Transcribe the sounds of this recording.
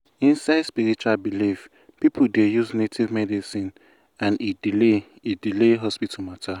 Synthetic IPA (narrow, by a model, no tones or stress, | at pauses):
ĩnsaɪdspiɹit͡ʃualbilif | pipʰudejuznetʰivmɛdisĩn | ãnidile | idileɦɔspitʰɔmatʰa